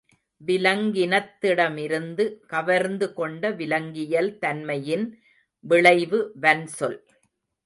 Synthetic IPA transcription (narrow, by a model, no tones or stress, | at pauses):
ʋɪlɐŋɡɪnɐt̪ːɪɽɐmɪɾɯnd̪ɯkɐʋɐɾnd̪ɯkɔɳɖɐʋɪlɐŋɡɪjɐlt̪ɐnmɐjɪn | ʋɪɭɐɪʋɯʋɐnsɔl